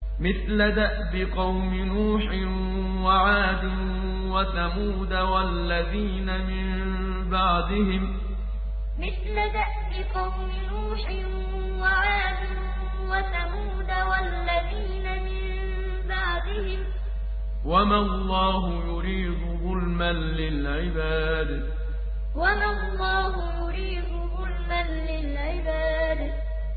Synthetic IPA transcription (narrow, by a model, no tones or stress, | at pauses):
mɪθlaðaʔbɪqɑwmɪnuːħɪn | waʕaːd̪ɪn | wat̪amuːd̪awalːaðiːnamɪm | bɑʕd̪ˤɪɦɪm | mɪθlaðaʔbɪqɑwmɪnuːħɪn | waʕaːd̪ɪn | wat̪amuːd̪awalːaðiːnamɪm | baʕd̪ɪhɪm | wamalˤːɑːɦʊjʊɾiːd̪ʊðʊlmanlɪlʕɪbaː | d̪ | wamalˤːɑːɦʊjʊɾiːd̪ʊðʊlmanlɪlʕɪbaːd̪